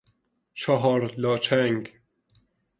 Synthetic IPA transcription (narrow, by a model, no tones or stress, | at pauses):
t͡ʃʰɔɦɒːɾlɒːt͡ʃʰæŋɡ